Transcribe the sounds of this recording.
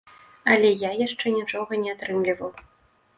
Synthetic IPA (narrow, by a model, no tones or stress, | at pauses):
ɐlʲɛjajaʂt͡ʂɛnʲit͡ʂɔɣɐnʲɛat̪ɾɨmlʲivɐw